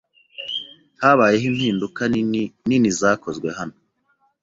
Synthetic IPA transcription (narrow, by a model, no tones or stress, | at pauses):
haːβaːjeɦimhiːndukaninizaːko̞zɡwe̞ɦano